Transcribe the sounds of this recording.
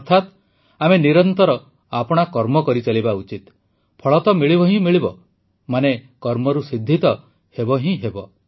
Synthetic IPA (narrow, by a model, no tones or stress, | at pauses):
ɔɾt̪ʰat̪ | ameniɾɔnt̪ɔɾɔ | apɔɽ̃akɔɾmɔkɔɾit͡ʃalibaut͡ʃit̪ | pʰɔɭɔt̪ɔmiɭibɔɦĩmiɭibɔ | manekɔɾmɔɾusid̪ʱːit̪ɔ | hebɔɦĩɦebɔ